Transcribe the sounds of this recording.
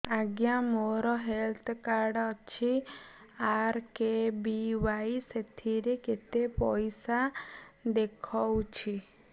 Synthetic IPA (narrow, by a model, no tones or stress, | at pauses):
aɡjamɔɾɔɦelt̪ʰkaɾɖɔt͡ʃʰi | aɾkebiʋajset̪ʰiɾeket̪epɔjsad̪ekʰɔwt͡ʃʰi